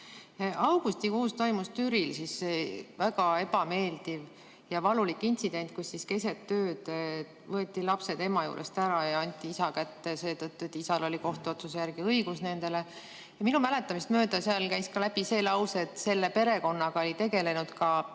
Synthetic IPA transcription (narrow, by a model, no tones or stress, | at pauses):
ɑwɡ̥ust̪ikuːst̪o̞jmust̪yɾilsisvæɡ̥ɑe̞b̥ɑme̞ːld̪̥iv | jɑvɑlulikːˑinʲt̪sid̪e̞nʲt̪̚ˑkusːiske̞set̪ːø̞ːd̪̥ | vɤe̞t̪ʲːˑilɑpse̞d̪emɑjṵːɾʔḛst̪æɾɑjɑɑnʲt̪ːˑiisɑkæt̪ːese̞ːt̪ɤt̪ːuet̪ːˑisɑlo̞lʲiko̞ht̪uo̞t̪sus̬e̞jæɾɡ̥iɤjɡ̥usne̞nd̪e̞le̞ | jɑminumæle̞t̪ːˑɑmist̪mø̞ːd̪ɑseɑlkæjskɑlæb̥ise̞ːlɑwse̞t̪ːˑse̞lːe̞pe̞ɾe̞ko̞nːɑɡ̥ɑo̞lʲit̪e̞ɡe̞le̞nud̪̥kɑ